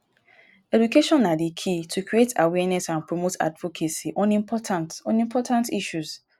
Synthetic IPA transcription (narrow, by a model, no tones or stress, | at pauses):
ɛdukʰeʃɔ̃nːãdikʰitʰukʰɾietawɛnɛsãnpʰɾomotʰa̰dvokʰesiʔɔ̃nĩmpʰɔtʰãntɔ̃nĩmpʰɔtʰãntiʃus